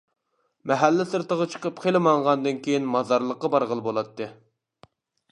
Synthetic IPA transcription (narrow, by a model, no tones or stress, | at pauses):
mɛɦælːɪsɨɾt̪əʁɑt͡ʃʰə̥qəpqʰelɪmɑɴʁɑnd̪ɨnkʲejinmɑzɑɾlˠəqːɑbɑɾʁəlˠɨbolˠɑt̪ʰːɨ